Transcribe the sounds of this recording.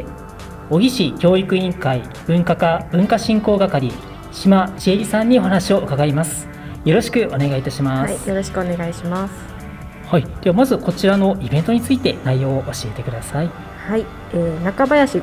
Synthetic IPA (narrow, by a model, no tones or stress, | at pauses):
o̞ɡʲiɕikʲo̞ːikɯ̟ĩŋkai | b̥ɯ̟̃ŋkakab̥ɯ̟̃ŋkaɕĩŋko̞ːɡakaɾʲi | ɕimat͡ɕieɾʲisãɲ̟ːio̞ɦanaɕio̞ɯ̟kaɡaimasɨ̥ | jo̞ɾo̞ɕi̥kɯ̟ʔo̞ne̞ɡait̪aɕimajo̞ɾo̞ɕi̥kɯ̟one̞ɡaiɕimasɨ̥ | haid̪̥eβamazɨko̞t͡ɕiɾano̞ʔibẽ̞nt̪o̞ɲ̟it͡sɨit̪e̞naijo̞ːoʔoɕie̞t̪e̞kɯ̟d̪asai | hai | eːnakabajaɕi